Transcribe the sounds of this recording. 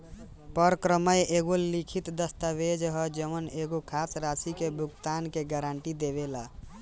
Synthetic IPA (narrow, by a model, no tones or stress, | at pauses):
pəɾkɾəməjeɡolikʰit̪d̪əst̪abed͡ʒɦəd͡ʒəməneɡokʰasɾasikebʱuɡt̪ankeɡaɾaɳʈid̪eβela